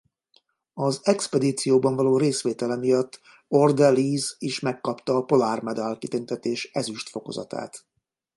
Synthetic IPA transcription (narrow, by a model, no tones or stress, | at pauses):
ɒzɛkspɛd̪iːt̪sijoːbɒɱvɒloːɾeːsʋeːt̪ɛlɛmijɒt̪ː | o̞rd̪ɛlːiːziʃmɛkːɒpt̪ɒːpo̞larmɛd̪alkit̪ynt̪ɛt̪eːʃɛzyʃt̪fo̞ko̞̰zɒ̰t̪a̰ːt̪